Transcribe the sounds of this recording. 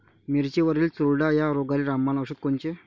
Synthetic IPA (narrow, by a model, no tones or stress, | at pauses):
miɾt͡ɕeʋəɾiːlt͡suɭɖajaɾoɡaɾiɾamːanəʂət̪̚kont͡ɕe